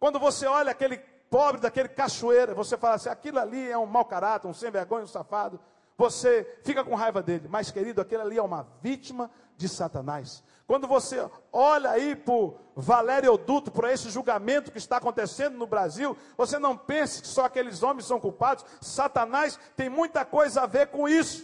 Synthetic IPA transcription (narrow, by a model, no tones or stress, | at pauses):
kwɐ̃nd̪ʊvoseɔʎɐakelɪ | pɔbɾɪd̪akelɪkaʃuejɾɐvosefalasĩakilʊaliɛũmawkaɾat̪ʊɾũsẽj̃veɾɡõɲ̃ɐ̃ũsafad̪ʊ | vosefikɐkõɦajvɐd̪elɪmajskeɾid̪ʊakelaliɛũmɐvit͡ʃimɐ | d͡ʒɪsat̪ɐ̃najs | kwɐ̃nd̪ʊvoseɔʎɐaipʊɾvalɛɾjod̪ut̪ʊpʊɾesɪʒuɡamẽnt̪ʊ̥kɪːst̪aːkõnt̪esẽnd̪ʊnʊbɾaziw | vosenɐ̃w̃pẽsɐ̥kɪ̥sɔakelɪzõmẽj̃sɐ̃w̃kuwpad̪ʊssat̪ɐnajst̪ẽj̃mũj̃t̪ɐkojzɐaveɾkõisʊ̥